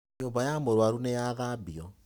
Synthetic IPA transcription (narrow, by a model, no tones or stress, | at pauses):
ɲumbajamoɾwaɾunejaɣabiɔ